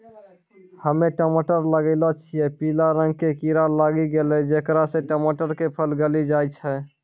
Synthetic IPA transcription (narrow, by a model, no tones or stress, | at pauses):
həmeʈəməʈəɾləɡəɪlɔt͡ʃʰijɛpilaɾə̃ŋɡ̚kekiɾaɾlaɡiɡelɛd͡ʒekɾasẽʈəməʈəɾkepʰəlɡəlid͡ʒajt͡ʃʰɛ